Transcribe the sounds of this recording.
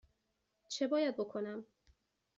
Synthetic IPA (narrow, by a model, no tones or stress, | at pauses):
t͡ʃʰebɒːjæd̪̚bo̞kʰonæm